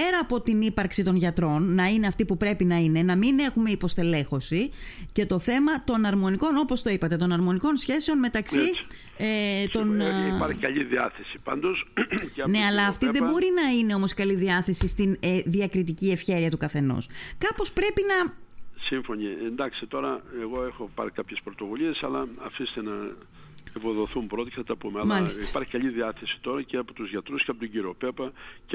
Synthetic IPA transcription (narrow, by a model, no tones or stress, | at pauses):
pe̞ɾɐːpo̞t̪inipɐɾksit̪o̞nʝɐt̪ɾo̞nːɐine̞ɐft̪ipupɾe̞pinɐine̞nɐmine̞xume̞ipo̞st̪e̞le̞xo̞sice̞t̪o̞θe̞mɐt̪o̞nɐɾmo̞niko̞no̞po̞st̪o̞ipɐt̪e̞t̪o̞nɐɾmo̞niko̞nsçe̞seo̞nme̞t̪ɐksi | et̪o̞npɐɾçikɐʎiðiɐ̰θesi̥pɐ̰nd̪osne̞ɐlɐːft̪iðebo̞ɾinɐineo̞mo̞skɐliðiɐθe̞sist̪inðiɐkɾit̪icie̞fçe̞ɾiɐt̪ukɐθe̞no̰skɐpo̞spɾe̞pinɐsiɱfo̞ɲiend̪ɐksit̪o̞ɾɐeɣo̞exo̞pɐ̰ɾikɐpçe̞spɾot̪o̞vuʎiesɐlɐːfise̥t̪enɐ | epoðo̞θumpɾo̞t̪e̥ceθɐt̪ɐpumeɐlmɐlisipɐɾçi̥kɐʎiðiɐθesi̥t̪o̞ɾɐceɐpot̪uzʝɐt̪ɾusceɐpot̪oɲɟiɾiope̞pɐc